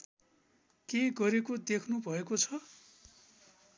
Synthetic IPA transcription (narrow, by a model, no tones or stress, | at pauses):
keɡʌɾekod̪ekʰnubʱʌekot͡sʰʌ